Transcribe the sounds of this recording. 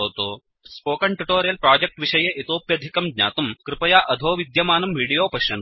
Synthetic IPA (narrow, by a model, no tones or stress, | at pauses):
oːt̪oː | spoːkɐɳʈuʈoːɾijɐlpɾaːd͡ʒɐk̚ʈʋiʃɐjɐʔit̪oːpjɐd̪ʱikɐmɡ̪ɲa̰ːt̪ɐmkɾɪpɐjaːʔɐd̪ʱoːʋid̪jɐmaːnɐmʋiːɽijoːpɐʃjɐn